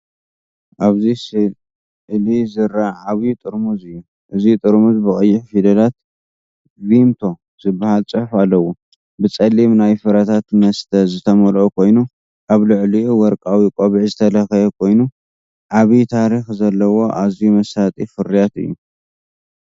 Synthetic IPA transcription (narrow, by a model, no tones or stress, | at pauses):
ʔaβzisɨ | ʕlizɨɾːaʕaβiit̪ʼɨɾmuzɨjːu | ʔɨzit̪ʼɨɾmuzbɨkʼɐjːɪħfid̪ɐlat̪ | bimt̪ʰo̞ | z̥ɨbːahalt͡sʼɨħħalːɐwu | bɨt͡sʼɐlːimnajfɨɾat̪ʰat̪nɐst̪ʰɐzɨt̪ʰɐmɐlʔokʰo̞jnu | ʔaβlɨʕliwɔɾkʼawikʼoβiʕzɨt̪ʰɐlɐxɐjɛkʰo̞jnu | ʕaβit̪ʰaɾixzɐlːɐwo̞ʔazumɐsat̪ʼifɨɾijat̪ɨ̰jːu